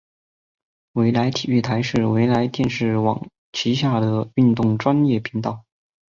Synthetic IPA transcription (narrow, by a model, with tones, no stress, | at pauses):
we˧˥ɪla˧˥ɪt̪ʰi˨˩y˥˩t̪ʰa˧˥ɪʂɻ̩˥˩we˧˥ɪla˧˥ɪt̪jɛ˥˧nʂɻ̩˥˩wɑ̰˨˩ŋ | t͡ɕʰi˧˥ɕja˥˩d̪ə˩y˥˧nt̪ʊ˥˩ŋʈ͡ʂwa˥njɛ˥˩pʰi˧˥ŋt̪ɑ˥˩ʊ